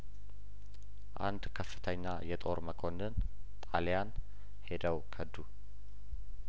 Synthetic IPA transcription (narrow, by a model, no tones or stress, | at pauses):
ʔa̰nd̪kʰəfːɨ̥t̪ʰəɲːajɛt̪ʼo̞ɾməkʰo̞nɨn | t̪ʼaljan | he̞d̪əwkʰəd̪u